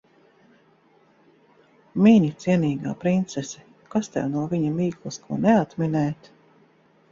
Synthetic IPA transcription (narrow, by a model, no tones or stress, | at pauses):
miɲit̪siɛniːɡa̰ːpɾint̪sɛsɛ | kast̪ɛ̰wnuɔviɲamiːklˠuskʰuɔnɛat̪minɛjt̪